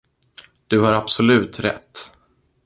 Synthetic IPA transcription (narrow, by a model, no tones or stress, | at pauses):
d̪̥ɵhaɾab̥sɔlʉ̟ːt̪ɾɛ̰t̪ː